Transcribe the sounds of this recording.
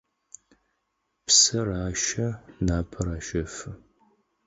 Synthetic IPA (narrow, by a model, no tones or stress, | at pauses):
psɐraːʃɐnaːpʰɐɾaːʃɐfɨ